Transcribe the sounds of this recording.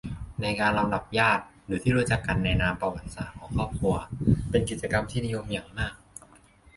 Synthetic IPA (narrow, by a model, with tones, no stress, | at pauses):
na˧jkaː˧nɾla˧mda˨˩p̚jaː˥˩t̪̚ɾɯː˩˦t̪ʰiː˥˩ɾu˦˥˩t͡ɕa˨˩kːa˧nːɛː˧naː˧mpa˧wa˨˩t̪̚sa̰˨˩kʰːɔː˩˦ŋkʰɾɔː˥˩p̚kʰu˧ɐpe˧nki˨˩t͡ɕa˧ka˧mt̪ʰiː˥˩ni˦˥jo˧mja˨˩ŋmaː˥˩k̚